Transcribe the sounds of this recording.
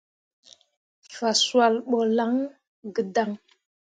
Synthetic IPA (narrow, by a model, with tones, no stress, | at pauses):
fa˨swa˨lɓo˨la˦ŋ | ɡə˨da˨ŋ